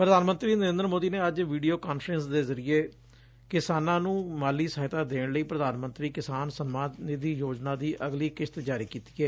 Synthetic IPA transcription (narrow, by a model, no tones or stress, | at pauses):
pɾəd̪aːnmənt̪ɾiːnəɾẽnd̪əɾmoːd̪iːneːəd͡ʒʋiːɖijoːkaːnfɾənsd̪eːzəɾɪeː | kɪsaːnãːnũːmaːliːsəːɦɪt̪aːd̪eːɳləiːpɾəd̪aːnmə̃nt̪ɾiːkɪsaːnsənmaːd̪nid̪iːjoːd͡ʒnãːd̪iːʔəɡliːkɪʃt̪d͡ʒaːɾiːkiːt̪i̥ːɛː